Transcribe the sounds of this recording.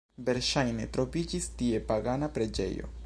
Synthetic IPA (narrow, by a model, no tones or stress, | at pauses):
ve̞ɾʃajne̞tɾo̞vid͡ʒistie̞paɡanapɾe̞d͡ʒe̞̰jo̞̰